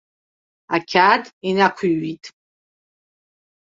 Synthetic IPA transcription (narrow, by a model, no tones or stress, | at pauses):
akʲʰatʼinakʷʰiɥitʼ